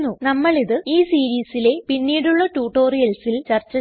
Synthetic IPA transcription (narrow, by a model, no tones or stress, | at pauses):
nːunɐmːɐɭiðɨiːsiːɾiːsile̞pinːiːɽuɭːɐʈuːʈo̞ːrijɐlsilt͡ɕɐrt͡ɕːɐ